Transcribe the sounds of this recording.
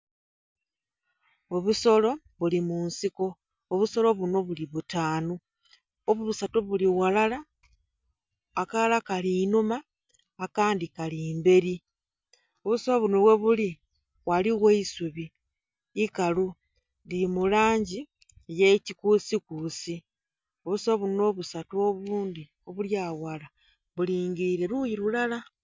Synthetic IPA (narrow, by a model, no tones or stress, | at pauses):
o̞βuso̞lo̞ | βulimuːnsiko̞ː | βuso̞lo̞βuno̞βuliβutaːnu | oβuβusatoβuliwalala | kalalakaliːnumaː | kaːndikaliːmbe̞ɾi | oβusoβunoβwe̞βuli | waliɣeisuβiː | kalu | diimulaːɲɟi | je̞cikuːsikuːsi | oβusoβuno̞βusatoβuːndi | o̞βuljaːwala | βuliːŋɡiɾiɾe̞ɾujiɾulala